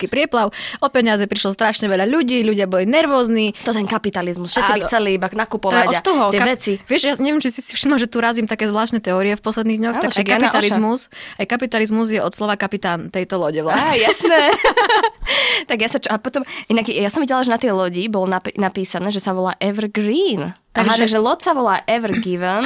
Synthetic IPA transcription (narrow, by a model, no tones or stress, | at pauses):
kipɾɪɛplaʊʔɔpɛɲazɛpɾiʃlɔst̪ɾaʃɲɛʋɛʎaʎuɟiːʎuɟɪabɔlinɛɾʋɔːznit̪ɔt̪ɛnkapit̪alizmusʃɛt͡sibit͡sɛliibanakupɔt̪ɔjɛaɔt̪ɔɦɔɪɛkaɛt͡siʋɪɛʃjaɲɛʋɪɛmt͡ʃisisi̥fʃimaʒɛt̪uɾazimt̪akɛːzʋlaːʃt̪nɛt̪ɛɔːɾiɛfpɔslɛd̪niːɣɲɔxt̪akajkapializmusajkapit̪alizmuzjɛʔɔt̪slɔʋakapit̪aːnt̪ɛjt̪ɔlɔɟɛʋlasjasnɛ | t̪aɡjasat͡ʃɔapɔt̪ɔmʔinaɡjasɔmʋiɟɛlaʒɛnat̪ɛjlɔɟibɔlnapnapiːsanɛːʒɛsaʋɔla̰ːʔɛʋɾɡɾiːnt̪aaʒaɡʒɛlɔt̪saʋɔlaːʔɛʋɾɡiʋɛn